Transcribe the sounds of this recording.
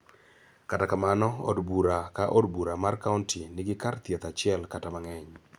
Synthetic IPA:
katakamanɔɔ̰dbuɾakaʔodbuɾamarkauntinɪɡɪkart̪jɛt̪at͡ʃɪɛlkatamaŋɛɲ

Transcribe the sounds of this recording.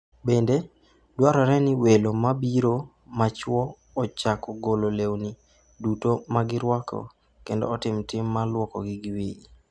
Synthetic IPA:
bende | dwaɾɔɾɛnɪwelomabiɾo | mat͡ʃwɔː | t͡ʃakɔɡololewni | dutomaɡɪɾwɔkɔ̰ | kendo̰ːtɪmtɪmːalwɔkɔ̰ɡɪɡɪwii

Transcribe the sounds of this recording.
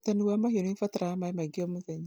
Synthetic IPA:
taniwamahiɔnifataɾaamaimaɡiɔmuðɛɲa

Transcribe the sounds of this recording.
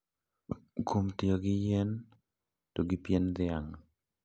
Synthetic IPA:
komtɪɔɡɪjen | toɡipjend̪ɪaŋ

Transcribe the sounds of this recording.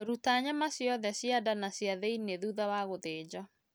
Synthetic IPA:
ɾutaɲamasjɔðɛsjadanasjaðeineðuðawaɣoðeːd͡ʑa

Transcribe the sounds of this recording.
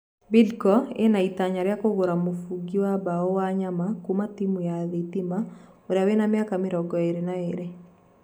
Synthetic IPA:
bidkɔḛnait̪aɲaɾɪakoɡoɾamofuɡiwabaowaɲamakumat̪imujaðit̪ima | oɾawenamjakamɪɾɔɡɔeɾenaeɾe

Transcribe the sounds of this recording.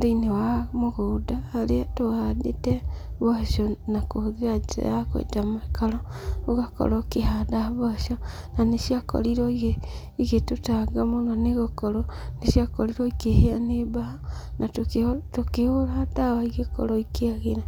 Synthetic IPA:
deinewamoɣodaːɾetoɣadḛtɛβɔʃɔnakohðiɾad͡ʒa̰jakwḛtamakaɾɔoɣakɔ̰ɾɔkeɦadaβɔʃɔ | naneʃiakɔ̰ɾiɾɔiɣe | iɣetotaɡamonɔneɣokɔɾɔneʃiakɔɾiɾɔikeheanebahanʔatoketokehoɾaadawaiɣekɔ̰ɾɔikeaɣeɾa

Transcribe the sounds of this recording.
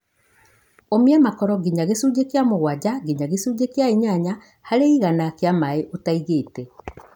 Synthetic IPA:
omiɛmakɔɾɔɡiɲaɣesuːd͡ʒekeamoɣwad͡ʑaɡiɲaɣesuːd͡ʑekeaiɲaɲa | haɾeiɣanakeamaeʔotaiɣeːtɛ

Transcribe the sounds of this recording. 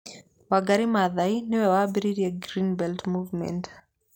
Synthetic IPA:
waɡaɾimaðainɪwɛwabiɾiɾiaɡɾinbɛltmuvmɛ̰nt

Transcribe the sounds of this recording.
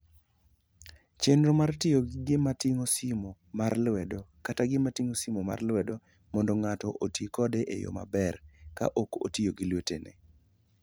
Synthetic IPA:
t͡ʃenɾomartɪjoɡɪmatɪŋosimo | marlwɛdokataɡɪmatiŋosimoma̰rlwɛdɔ | mɔndɔŋatɔʔotikɔdeʔejo̰ma̰bɛrka̰ʔoko̰tɪjoɡɪlwetenɛ̰

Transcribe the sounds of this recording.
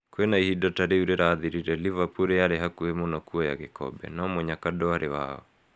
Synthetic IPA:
kwenaihidɔtaɾeuɾeɾaːðiɾiɾɛlivapuɾeaɾeɦakuemonɔkuɔja̰ɣekɔ̰bɛ̰namoɲakadɔaɾewa̰ɔ̰

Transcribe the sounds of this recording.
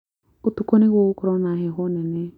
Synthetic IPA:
ut̪ukoniɣoukʊɾɔnaɦeɦonɛnɛ

